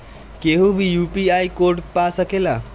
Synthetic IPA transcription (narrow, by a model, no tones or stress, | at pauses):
keɦũbʱijupiaikoɾʈpasəkela